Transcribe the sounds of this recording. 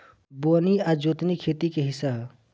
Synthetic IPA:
boːniad͡ʒot̪nikʰet̪ikeɦɪsaɦ

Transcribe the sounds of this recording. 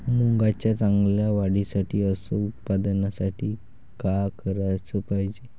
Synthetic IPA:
muŋɡat͡ɕjat͡saŋɡljaʋaɽisaʈʰiːəsəut̪̚pad̪nasaʈʰiː | kakəɾajt͡səːpaɦid͡ʑe

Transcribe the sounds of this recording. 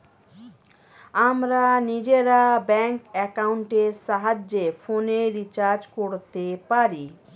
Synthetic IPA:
amɾanid͡ʒeɾabɛŋkekauɳʈesaɦad͡ʒepʰoneɾit͡ʃaɾd͡zkoɽt̪epaɾi

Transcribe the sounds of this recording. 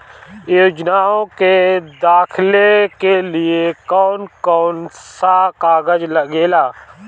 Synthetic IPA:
joːd͡ʒnaːõked̪aːkʰɪlekelɪekɔːnkɔːnsakaːɡəd͡ʒləɡeːlaː

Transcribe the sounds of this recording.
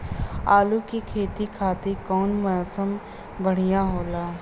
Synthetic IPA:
aːlukikʰeːt̪ikʰaːt̪ikɔːnmɐɔːsəm | bəɽ̤ijaɦoːlaː

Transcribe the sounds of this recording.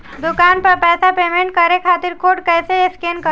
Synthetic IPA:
d̪ʊkaːnpɐɾpɛːsapeːmẽɳʈkɐɾekʰaːt̪ɪɾkʰoːɖkɛːseeskeːnkə

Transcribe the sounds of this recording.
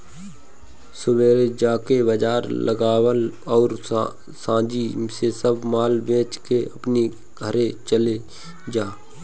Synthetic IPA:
sʊbeːɾed͡ʒaːkebəd͡ʒaːɾləɡaːwəlɔːɾ | sãːd͡ʒisesəbʱmaːlbẽːt͡ʃkeəpne | ɡʱəɾet͡ʃəle | d͡ʒaː

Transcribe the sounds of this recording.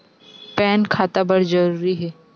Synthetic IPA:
pɛːnkʰaːt̪abɐɽzɐɾuːɾiɦɛː

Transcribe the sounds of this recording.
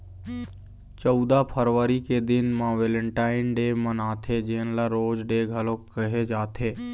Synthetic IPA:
t͡ʃɔʊd̪apʰəɾʋəɾiked̪ɪnmãʋeːlə̃ɳʈaːɪnɖeːmənaːt̪ʰed͡ʒeːnlaɾoːd͡ʒɖeːɡʱəlõkəɦed͡ʒaːt̪ʰeː

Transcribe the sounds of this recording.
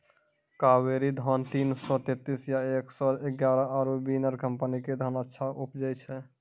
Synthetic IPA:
kaweɾid̪ʱɔnt̪insɔt̪et̪ːisjaeksɔeɡjaɾəəɾobinəɾkəmpəniked̪ʱənətːʃʰaʔupd͡ʒəjt͡ʃʰɛ

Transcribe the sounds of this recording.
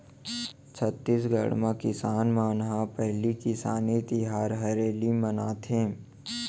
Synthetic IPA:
t͡ʃʰət̪ːisɡə̰ɽmãkɪsaːnmaːnɦapɛɦlikɪsaːnit̪ɪɦaːɾɦɐɾeːlimənaːt̪ʰẽː

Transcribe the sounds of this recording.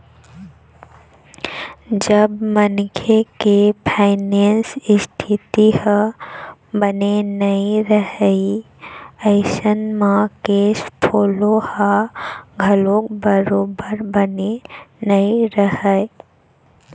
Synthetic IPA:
d͡ʒəbmənkʰekepʰaːɪneːnsɪst̪ʰɪt̪iə | bənenɐĩɾəɦei | əɪʃənmãkeːspʰoːlohaɡʱəlõkbəɾoːbəɾbənenəiɾəɦə

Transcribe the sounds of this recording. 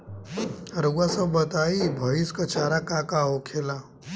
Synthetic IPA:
ɾuwasəbət̪aibʱəʋiskət͡ʃʰaːɾakakaɦokʰela

